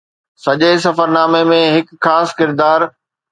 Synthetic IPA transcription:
sɐʄesɐfəɾnaːmemẽɦɪkxaːskɪɾd̪aːɾ

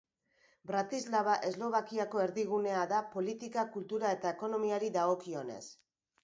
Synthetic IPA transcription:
bɾat̪izlaβaʔe̞zlo̞β̞akiako̞e̞ɾðiɣune̞aðapo̞lit̪ikakult̪uɾae̞t̪ae̞ko̞no̞miaɾiðaɣo̞kio̞ne̞̰s

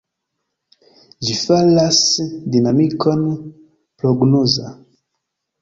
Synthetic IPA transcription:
d͡ʒifalasdinamikɔn | pɾɔɡnɔza

